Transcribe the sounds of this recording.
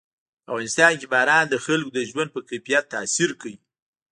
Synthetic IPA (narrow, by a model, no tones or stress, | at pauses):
afɣɑnɪst̪ɑnkibɑɾɑnd̪əxalkod̪əʒwand̪̚pəkafijat̪ːɑsiɾkawi